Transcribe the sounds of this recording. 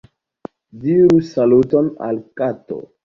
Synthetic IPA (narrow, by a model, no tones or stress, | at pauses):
diɾusalutona̰lkato̰